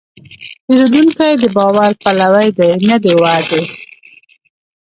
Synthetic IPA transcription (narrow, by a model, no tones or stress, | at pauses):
peɾed̪unkajd̪əbɑwaɾpalawajd̪ajnad̪ewɑd̪e